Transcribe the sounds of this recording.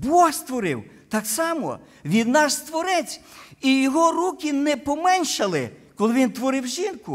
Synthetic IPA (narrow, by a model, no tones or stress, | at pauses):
bɔxst̪ʋɔɾɪ̰w | t̪ɑksɑmɔ̰ | ʋʲid̪nɑʃst̪ʋɔɾɛt͡sʲijɔɦɔrukʲɪnɛpɔmɛnʲʃɐlˠɪ̰kɔlˠɪʋʲint̪ʋɔɾɪwʒinkʊ